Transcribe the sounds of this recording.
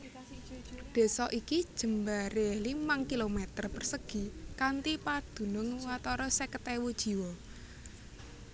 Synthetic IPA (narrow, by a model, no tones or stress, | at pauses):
d̪̥e̤sɔʔikid̥ʒ̥ə̤mbaɾelimaŋkilomɛt̪ərpərsəɡ̥i̤kant̪ipad̪̥ṳnʊŋwat̪ɔɾɔsekət̪ewud̥ʒ̥i̤wɔ